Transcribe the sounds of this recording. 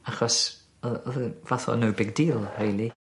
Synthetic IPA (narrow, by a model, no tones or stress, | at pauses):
aχɔs | ɔɔðəvaθɔ̰nowbɪɡ̚diːlˠhejlˠi